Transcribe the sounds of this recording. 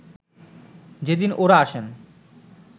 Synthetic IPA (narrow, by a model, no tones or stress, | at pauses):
d͡ʑed̪inʔoɾaaʃen